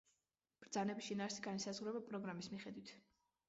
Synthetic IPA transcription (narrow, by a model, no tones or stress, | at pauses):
b̥ɾd̪zanɛbisʃinaːɾsiɡanisazʁuɾɛbapʼɾɔɡɾamismiχɛd̪wit̪ʰ